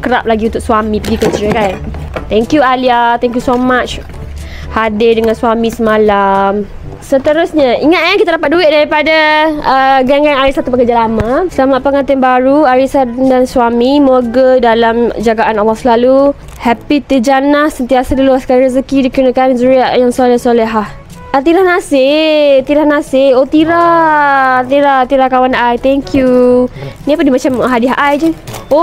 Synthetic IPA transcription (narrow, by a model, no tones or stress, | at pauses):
kəɾap̚laɡiũnt̪ʊk̚swamĩpəɡikət͡ʃɾəkant̪ɛŋkjualiat̪ɛŋk̬jusomat͡ʃ | hadɪdəŋãnswamisəmalam | sət̪əɾʊsɲaiŋat̪̚kankit̪adapat̪̚duɪʔ̚daɾipadaəɡaŋɡanaɾisat̪upəkəɾd͡ʒalamãsəlamat̪̚pəŋãnt̪ɪnbaɾuaɾisandanswamimoɡədalamd͡ʒaɡaʔanawaksəlalu | hɛpit̪əd͡ʒanahsənt̪iasadəluaskaɾɾəzəkidikɾunəkanzuɾiaʔjaŋsalɛhsolɛɦah | at̪iɾahnasɪt̪iɾahnasɪot̪iɾa | t̪iɾat̪iɾakawanajt̪ɛŋkʰju | nĩapəndimat͡ʃamɦadɪɦʔajd͡ʒəo